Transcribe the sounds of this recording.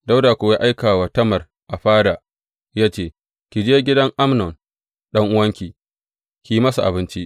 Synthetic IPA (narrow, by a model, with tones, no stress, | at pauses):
da˦wdaː˨kʷoː˨wja˦ʔa˦jkaː˨waː˨tɐ˦mɐ˨r | ʔa˨ɸaː˦da˨ | jaː˦t͡ʃeː˦ | kʲi˨d͡ʒeː˦ɡʲɪ˦dɐ˦ŋʔa˦mnɔ˨n | ɗɐ˦ŋʔʊ˦wɐ˦ŋkʲiː˨ | kʲi˨i˦mɐ˦sa˨ʔa̰˨bɪ˦nt͡ʃi˦ʔ